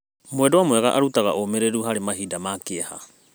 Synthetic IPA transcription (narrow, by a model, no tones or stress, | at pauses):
moedoamoeɡaʔaɾutaɡaomeɾeɾuɦaɾemaɦidamakeaha̰